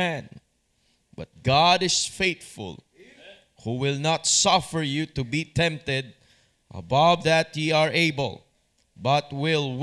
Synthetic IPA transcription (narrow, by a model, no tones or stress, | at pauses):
æ̃n | bʌt̪̚ɡ̥ɑdɪsfeɪt̪fʊ̰lˠ | huwɪlˠnat̪sʌfəɹjut̪ubit̪ʰɛ̃mp̚t̪ɪd̪̚ | ʔə̰bʌvðæt̪jiaɹʔeɪbə̰lˠ | bʌt̪̚wɪlˠw